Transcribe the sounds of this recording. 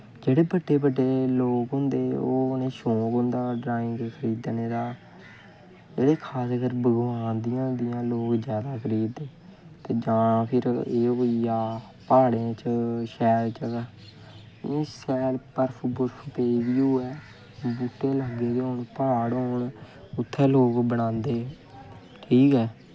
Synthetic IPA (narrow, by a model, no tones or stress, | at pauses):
d͡ʒeːɽeːbəɖːeːbəɖeːloːkɦʊ̃nd̪eːo̰ːnẽːʃõːkɦʊ̃nd̪aːɖɾaːɪ̃ŋɡkʰəɾiːd̪neːɾaː | d͡ʒeːɽeːkʰaːskəɾbəɡʋãːnd̪ɪjãːd̪ɪjãːloːkzjaːd̪aːkʰəɾiːd̪eː | t̪eːd͡ʒãːpʰɪɾeːoijaː | paːɽẽːt͡ʃʃɛːɾt͡ʃək | isɛːlpəɾpʰbʊɾpʰpeːʋjuːɛː | buːʈːeːlaɡeːd̪oːɳpaːɽɦoːɳ | ʊt̪ʰːɛːloːkbəɽãːnd̪eː | ʈʰiːkɛː